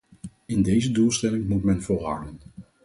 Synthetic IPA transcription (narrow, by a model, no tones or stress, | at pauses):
ɪndejzədulˠstɛlɪŋmutmɛnvʊːrɦa̰ːlən